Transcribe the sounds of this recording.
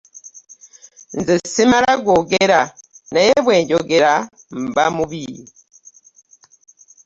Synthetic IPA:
nzisimalaɡoɡeɾanajeβweːɲɟoɡeɾa | m̩bamuβiji

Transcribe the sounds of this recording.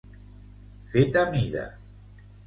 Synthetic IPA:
fet̪amiða̰

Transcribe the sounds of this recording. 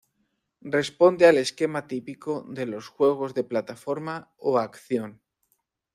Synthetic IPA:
rre̞spo̞nd̪eale̞ske̞mat̪ipikoðe̞lo̞sxwe̞ɣ̞o̞zðe̞plat̪afo̞ɾmaoakθjo̞n

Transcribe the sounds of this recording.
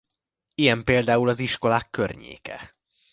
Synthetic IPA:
ijɛmpeːld̪aːulɒziʃko̞laːkːørɲḛːkɛ̰

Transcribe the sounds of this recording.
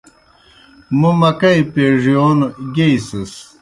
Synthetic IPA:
mumɐkɐjpeʐijoːnɡejsɐs

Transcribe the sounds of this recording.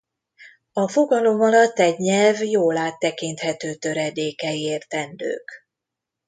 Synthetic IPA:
ɒfo̞ɡɒlo̞mɒlɒt̪ːɛɟɲɛlvjoːlaːt̪ːɛkint̪hɛt̪øːt̪ø̞ɾɛd̪eːkɛjeːrt̪ɛnd̪ø̰ːk

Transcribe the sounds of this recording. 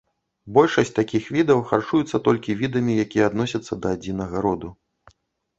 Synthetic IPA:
bɔlʲʂɐsʲt͡sʲt̪akʲixvʲid̪ɐwxart͡ʂujut̪sːɐt̪ɔlʲkʲivʲid̪ɐmʲijakʲijɛad̪nɔsʲɐt̪sːɐd̪ɐad͡zʲinɐɣɐɾɔd̪u

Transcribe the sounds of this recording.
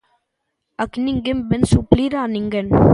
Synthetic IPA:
ɐkniŋɡɪmbɛnsupliɾaːniŋɡɐn

